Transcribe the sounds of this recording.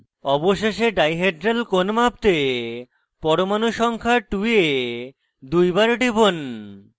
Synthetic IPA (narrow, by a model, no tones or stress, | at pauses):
ɔboʃeʃeɖajɦeɖɾelkonmap̚t̪e | pɔɾomanuʃɔŋkʰaʈue | d̪ujbaɾɖibon